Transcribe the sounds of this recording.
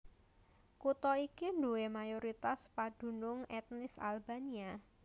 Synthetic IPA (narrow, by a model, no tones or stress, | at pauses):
kut̪ɔikinduemajoɾit̪aspad̥ṳnʊŋɛt̪nɪsa̰lbania